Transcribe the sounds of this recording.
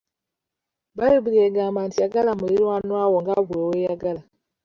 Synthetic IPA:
baɾobiɾieɡamantijaɡalamuliɾwanwawoŋɡaβwewejaɡala

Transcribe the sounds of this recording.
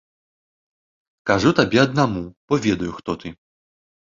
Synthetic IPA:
kaʐut̪abʲɛɐd̪namupɔvʲɛd̪ɐjuxt̪ɔt̪ɨ

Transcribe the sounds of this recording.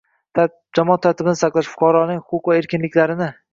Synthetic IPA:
d͡ʒamɒɑt̪ʰːaɾt̪ʰɪbɪnɪsaqlˠaʃfʊ̥qʰɑɾɒnɪŋʲʊqʊqvae̞ɾkʲɪnlɪkʲlaɾɪnɪ

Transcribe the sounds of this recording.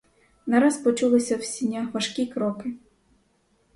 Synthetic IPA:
nɐɾaspɔt͡ʃulˠɪsʲɐwsʲinʲːaʋɐʃkʲikɾɔkɪ

